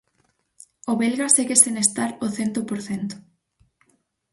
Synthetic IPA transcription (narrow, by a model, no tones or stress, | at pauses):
oβelɣaseɣesenest̪aɾoθent̪opoɾθent̪o̥